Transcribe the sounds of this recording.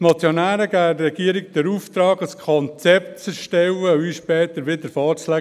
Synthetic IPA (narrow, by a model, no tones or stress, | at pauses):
nɑt͡sjonæːɾəɡærɛɡ̥iəɾik̚d̪̥əɾuft̪ɾɑːɡəskʰɔnt͡sɛptt͡sɛɾʃtɛwəyʃpɛːt̪əɾʋɪd̪əɾfɑːslæ